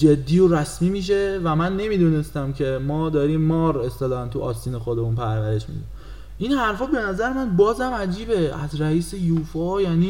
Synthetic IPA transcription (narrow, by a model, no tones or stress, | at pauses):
d͡ʒe̞d̪ːiːoɾæsmiːmiːʃ̬e̞væmænːe̞miːd̪une̞st̪æmcʰe̞mɒːd̪ɒːɾiːmːɒːɾe̞st̪elɒːhænt̪ʰuʔɒ̰ːsiːnexod̪emunpʰæɾvæɾe̞ʃmḭd̪u | ʔinhæɾfɒːbe̞næzæɾemænbɒːzæmæd͡ʒiːbeæ̰zɾæiːsejuːfɒjæniː